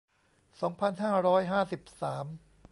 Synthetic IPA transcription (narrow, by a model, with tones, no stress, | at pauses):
sɔː˩˦ŋpʰa˧nɦaː˥˩ɾɔː˦˥jɦaː˥˩si˨˩p̚saː˩˦m